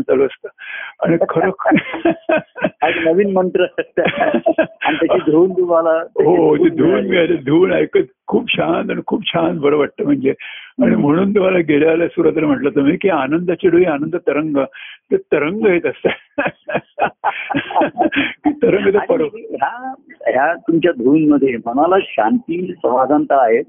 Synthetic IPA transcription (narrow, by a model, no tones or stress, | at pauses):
t͡saloəst̪əaɽ̃ikʰəɾəkʰ | anəʋiːnməɳʈɾə | anit̪aid̪ʱuːnd̪umalaɦot̪ed̪ʱuːnɡeajled̪ʱuːnajkət̪ | kʰuːpɕant̪aɽ̃ikʰuːpɕant̪bʱəɾəʋaʈ̚t̪əm̤əɳd͡zeaɽ̃im̤əɽ̃uːnt̪uʋalaɡeɭjaːlasuɾat̪əɾəm̤əʈlət̪əm̤ikianənd̪at͡ɕiɽuʋianənd̪ət̪əɾəŋɡət̪ət̪əɾəŋɡəɦet̪əst̪ə | kit̪əɾəŋɡət̪əpəɾəɦjaɦjat̪umt͡ɕjad̪ʱuːnməd̪ʱːjem̤əɽ̃alaɕãnt̪iːnpɾəʋad͡zãnt̪əɾaɦet̪